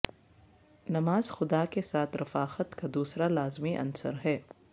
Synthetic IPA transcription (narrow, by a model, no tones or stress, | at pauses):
nɐmaːzxʊd̪akesaːt̪ʰɾɐfaːxət̪kad̪uːsɾalaːzmiʔɐ̰nsə̰ɾɦɛː